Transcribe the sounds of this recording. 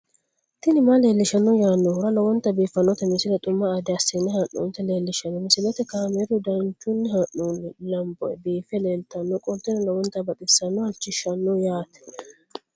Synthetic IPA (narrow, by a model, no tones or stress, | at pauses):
t̪ɪnɪmale̞ːlːɪʃɐnːɔjaːnːɔhʊɾɐlɐwɔnt̪ːɐbiːfːɐnːɔt̪ɛmɪsɪlɐt̪ʼʊmːɐːd̪ɛɐsːɪnːɛhɐnːṵːnt̪ɛle̞ːlːɪʃɐnːɔmɪsɪlɔt̪ɛkaːmɛɾʊd̪ɐnt͡ʃːʊnːɪhɐʔunːɪlɐmbɔ̰jɛbiːfɛle̞ːlt̪ɐnːɔkʼɔt̪ːɪnɐlɐwɔnt̪ːɐbɐt̪ʼɪsːɐnːɔhɐlt͡ʃːɪʃːɐnːɔjaːt̪ɛ̥